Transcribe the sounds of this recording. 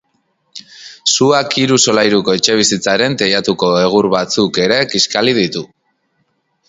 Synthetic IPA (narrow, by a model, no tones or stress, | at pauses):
suakiɾuso̞lajɾuko̞et͡ʃe̞β̞isit͡saɾe̞nt̪ejat̪uko̞e̞ɣ̞uɾβat͡suke̞ɾe̞kiskaliðit̪u